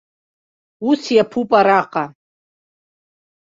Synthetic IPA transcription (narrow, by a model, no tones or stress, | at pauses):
usjapʰupʼaɾaqʼa